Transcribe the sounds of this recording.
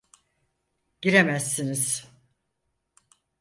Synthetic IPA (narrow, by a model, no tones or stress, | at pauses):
ɟ̥iɾemæsːiniz̥